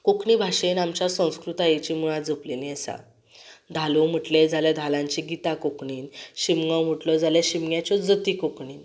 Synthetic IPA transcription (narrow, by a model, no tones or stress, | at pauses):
kokɳiːbʱaʂenamt͡ɕasə̃w̃skɾut̪ajet͡ɕimuɭad͡zəpliniəsa̰ | d̪ʱalum̤əʈled͡zʱaljad̪ʱalãɲt͡ɕiɡit̪akokɳiːnɕimɡəwm̤əʈlɔd͡zʱaljaɕimɡjat͡ɕɔd͡zət̪iːkokɳiːn